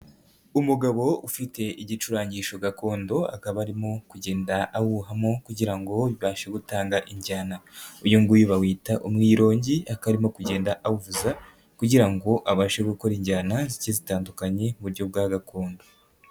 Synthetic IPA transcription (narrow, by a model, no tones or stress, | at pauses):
umuɡaβo̞ufite̞ʔiɟit͡ʃuɾaːɲɟiʃo̞ɡako̞ːndo̞a̰kaβaɾimo̞kuɟe̞ːndaːwuɦamo̞kuɟiɾaŋɡo̞βiβaːʃe̞ɡutaːŋɡaʔiɲɟaːnaujuŋɡujuβawiːtaʔumŋiːɾo̞ːɲɟiakaɾimo̞kuɟe̞ːndaʔauvuza | kuɟiɾaŋɡo̞ʔaβaːʃe̞ɡuko̞ɾiɲɟaːnazicezitaːndukaɲe̞muβuɾɟo̞b̚ɡaːɡako̞ːndo̞